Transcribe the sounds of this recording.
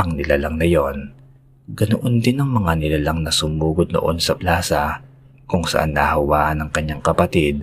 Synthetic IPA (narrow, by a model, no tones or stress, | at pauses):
ʔɐŋnɪlalɐŋnɐjo̞n | ɡɐnoʔond̪ɪnɐŋmɐŋanɪlalaŋnɐsʊmuːɡod̪̚no̰ʔo̞nsɐplaːsɐ | kʊŋsɐ̰ʔa̰nːɐhɐwaːʔhɐnɐŋkɐɲːaŋkɐpɐt̪id̪̚